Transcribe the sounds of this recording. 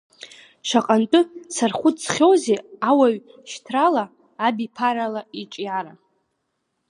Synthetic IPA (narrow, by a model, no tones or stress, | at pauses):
ʂaqʼantʼʊsʰarχʷʊt͡sχʲowzeawaɥ | ʃtʰralaː | bipʰaɾalaiʈ͡ʂʼjaɾa